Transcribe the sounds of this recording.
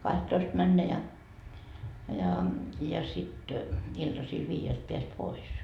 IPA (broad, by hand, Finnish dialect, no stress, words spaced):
kɑhtːoist mænːæ jɑ jɑ jɑ sit iltɑsil ʋiːjelt peæs pois